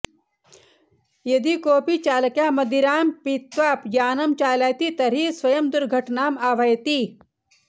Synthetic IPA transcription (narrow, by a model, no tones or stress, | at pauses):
jɐd̪ikoːpiːt͡ʃaːlɐkjaːmɐd̪iɾaːmpit̪ʋaːpjaːnɐmt͡ʃaːlaːjt̪it̪ɐɾisʋɐjɐmd̪uɾɡʱɐʈnaːmaːʋʱɐjt̪i